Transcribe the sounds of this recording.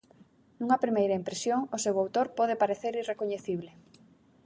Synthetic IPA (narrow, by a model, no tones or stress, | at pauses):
nuŋɐpɾimejɾɐimpɾesjoŋʊsewawt̪oɾpɔð̞epaɾeθeɾirekoɲeθiβ̞le